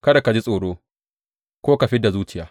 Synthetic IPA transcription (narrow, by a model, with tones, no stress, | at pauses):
kɐ˦da˨ka˨d͡ʒi˦sʼoː˨ɽoː˦ | kʷoː˦ka˨ɸɪ˦da˨zuː˦t͡ʃɪ˨jaː˦